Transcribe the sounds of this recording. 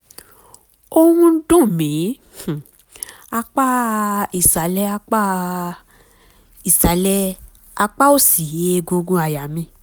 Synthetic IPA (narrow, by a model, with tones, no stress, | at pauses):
o˦w̃ũ˧n̩˦dõ˦˨mĩ˨˦˨ | a˧k͡pa˦i˨sa˨˦lɛ˦˧a˧k͡pa˦ | i˨sa˨˦lɛ˦ | a˧k͡pa˦o˦˨si˨je˨˦e˦˧ɡo˧ɡõ˧˦a˨ja˨mĩ˧˦